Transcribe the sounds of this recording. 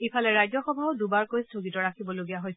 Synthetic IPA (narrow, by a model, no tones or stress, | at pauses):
ipʰalɛɹajzɔxɔbʱaɔdubaɹkojstʰoɡitɔɹakʰibɔloɡijaɦojs